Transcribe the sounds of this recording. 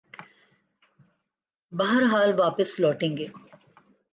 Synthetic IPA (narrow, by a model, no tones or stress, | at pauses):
bɐɦəɾɦaːlʋaːpəslɔːʈẽːŋɡeː